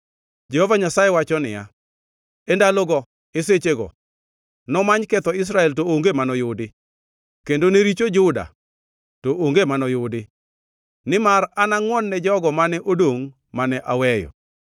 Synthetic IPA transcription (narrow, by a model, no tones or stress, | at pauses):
d͡ʒɛhɔvaɲasajewat͡ʃɔnɪ̰ja̰ | endalɔɡɔ | eset͡ʃeɡɔ̰ | nɔmaɲkɛt̪ɔɪs̬ɾaɛltooŋɡemanɔjʊdɪ | kendoneɾit͡ʃod͡ʒʊda̰ | toʔoŋɡemanɔjʊdɪ | nɪmaranaŋwɔnːɛd͡ʒɔɡɔmanɛʔodoŋ | manɛʔawɛjɔ̰